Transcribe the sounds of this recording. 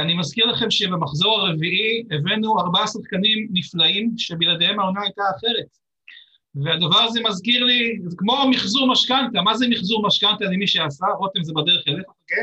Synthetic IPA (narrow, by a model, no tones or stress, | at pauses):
animazkiʁlaχe̞mʃebemaχzo̞ʁaʁeviʔievenuaʁbasaχkanimniflaimʃe̞bilad̪ehemaonaajtaːχe̞ʁe̞t̪ | vead̪avaʁazemazkiʁlizkmo̞amiχzuʁmaʃkant̪amazemiχzuʁmaʃkant̪alimiʃeasaʁot̪imzebad̪eʁeχelefooke